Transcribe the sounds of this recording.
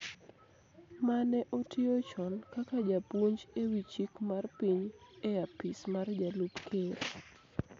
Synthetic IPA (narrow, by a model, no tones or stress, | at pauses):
manɛʔotɪot͡ʃɔnkakad͡ʒapwoɲd͡ʒewit͡ʃikmarpiɲejapismard͡ʒalupkʰeɾ